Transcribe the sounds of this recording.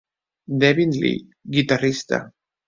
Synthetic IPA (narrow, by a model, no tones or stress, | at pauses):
d̪eβinlḭ | ɡit̪arist̪a̰